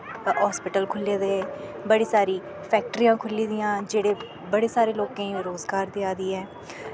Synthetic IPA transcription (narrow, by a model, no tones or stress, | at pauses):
ɦɔːspɪʈəlkʰʊlːeːd̪eːbəɽiːsaːɾiː | pʰɛːk̚ʈɾiːãːkʰʊliːd̪ɪjãːd͡ʒeːɽeː | bəɽeːsaːɾeːloːkẽːɾoːzɡaːɾd̪ɪaːd̪iːɛː